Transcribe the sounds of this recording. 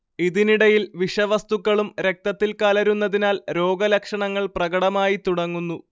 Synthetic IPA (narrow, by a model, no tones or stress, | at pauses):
iðiniɽɐjilʋiʂɐʋɐst̪ukːɐɭumɾe̞k̚t̪ɐt̪ːilkaːlɐɾunːɐðinaːlɾo̞ːɡɐlɐkʂɐɳɐŋːɐɭprɐɡɐɽɐmaːjit̪uɽɐŋːunːu